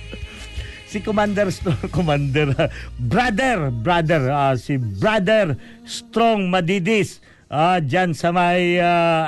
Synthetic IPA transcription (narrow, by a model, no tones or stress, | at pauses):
sɪkomand̪ɛɾst̪ɾokomand̪ɛɾbɾad̪ɛɾbɾad̪ɛɹasɪbɾad̪ɛɾ | st̪ɾoŋmɐd̪id̪ɪs | ʔad͡ʒansɐmɐja